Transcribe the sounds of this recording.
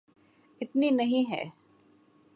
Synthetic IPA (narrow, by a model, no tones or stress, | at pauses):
ɪt̪ninɐɦĩɦɛ̰ː